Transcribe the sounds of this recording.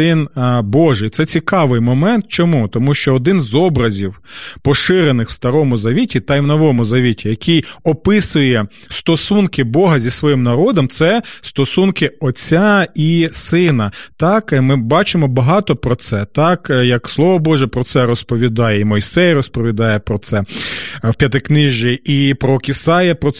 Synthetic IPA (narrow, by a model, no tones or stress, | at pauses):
ɪnbɔʒɪjt̪sɛt͡sʲikɑʋɪjmɔmɛnt̪̚t͡ʃɔmut̪ɔmuʃt͡ʃɔːd̪ɪnzɔbɾɐzʲiwpɔʃɪɾenɪxw̥st̪ɐɾɔmʊzɐʋʲitʲit̪ɐjwnɔʋɔmʊzɐʋʲitʲijɐkijɔpɪsʊjɛ | st̪ɔsunkɪbɔɦɐzʲisʋɔjimnɐɾɔd̪ɔmt̪sɛst̪ɔsunkɪɔt͡sʲːaisɪnɐt̪ɑkmɪbɑt͡ʃɪmɔbɐɦɑt̪ɔpɾɔt̪sɛt̪ɑkjɐkslˠɔʋɔbɔʒɛpɾɔt̪sɛɾɔspɔʋʲid̪ɑjɛimɔjsɛjrɔspɔʋʲid̪ɑjɛpɾɔt̪sɛwpʲjɐt̪̬ɪknɪʒʲiipɾɔkʲɪsɑjɐpɾɔ